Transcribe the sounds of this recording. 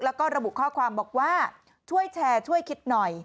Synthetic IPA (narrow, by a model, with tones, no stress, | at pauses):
lɛː˦˥wkɔː˥˩ɾa˧bu˨˩ʔkʰɔː˥˩kʰwaː˧mbɔː˨˩k̚waː˥˩ | t͡ɕʰu˥˩əjt͡ɕʰɛː˧t͡ɕʰu˥˩əjkʰi˦˥t̪̚nɔ˨˩j